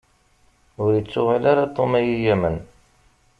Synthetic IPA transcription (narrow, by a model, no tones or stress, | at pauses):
ʊɾjit͡sːʊʁalaɾat̪ˤomæjijæmən